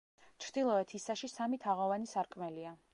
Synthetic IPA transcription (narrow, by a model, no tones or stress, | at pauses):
t͡ʃʰɾd̪̥ilˠɔɛt̪ʰisaʃisamit̪ʰaʁɔvanisaɾkʼmɛlia